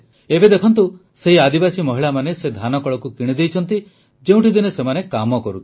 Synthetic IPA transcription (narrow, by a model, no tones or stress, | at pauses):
ebed̪ekʰɔnt̪u | seɦiad̪ibasimɔɦiɭamanesed̪ʱanɔkɔɭɔkukiɽ̃id̪ejt͡ʃʰɔnt̪i | d͡ʒeũʈid̪inɔsemanekamɔkɔɾut̪ʰi̥